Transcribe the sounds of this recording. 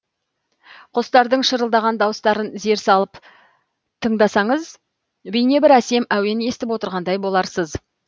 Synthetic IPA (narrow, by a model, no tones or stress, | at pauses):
qʰost̪ɑɾd̪əɴʃəɾəlˠd̪ɑʁɑnd̪ɑwəst̪ɑɾənze̞ɾsɑlˠəp | t̪ʰəɴd̪ɑsɑɴəz | bijne̞bɪɾæse̞mæwe̞ne̞st̪ɪpwo̞t̪əɾʁɑnd̪ɑjbo̞lˠɑɾsəz